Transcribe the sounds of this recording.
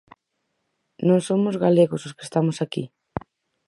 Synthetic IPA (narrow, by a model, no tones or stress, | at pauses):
nõŋsomʊzɣaleɣʊsʊskest̪amʊsakḭ